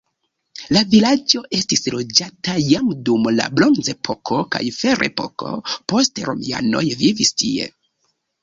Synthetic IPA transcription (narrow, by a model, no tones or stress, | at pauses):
lavilad͡ʒo̞ʔe̞stislod͡ʒatajamdumla̰bɾo̞nze̞pʰo̞kʰo̞ka̰jfe̞ɾe̞̰po̞̰ko̞̰po̞stɾo̞̰mia̰no̞̰jvivistie̞̰